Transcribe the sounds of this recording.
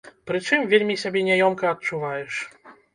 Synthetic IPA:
pɾɨt͡ʂɨmvʲelʲmʲisʲabʲɛnʲajɔmkɐɐt̚t͡ʂuvajɛʂ

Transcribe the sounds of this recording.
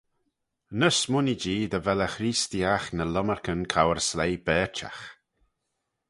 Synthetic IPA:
nəsmʊnid͡ʒiːd̪əvɛləxɾiːst̪iaxnələməɹkənkʰawəɹslejbɛːt͡ʃa̰x

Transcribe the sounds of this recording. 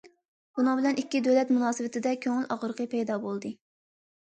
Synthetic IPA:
bunɨŋbɪlɛnikʲːid̪ølɛt̪munɑːsɨwɪt̪ʰɪd̪ɛkʲʰøŋɪlɑʁəɾqʰəpɛjd̪ɑːbolˠd̪ɨ

